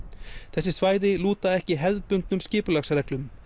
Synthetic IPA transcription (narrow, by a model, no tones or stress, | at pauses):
θɛsːɪsvaːjðɪluːt̪aɛhcɪɦɛlðpʏnt̪nʏmscɪːpʏlaxsaɾɛklʏm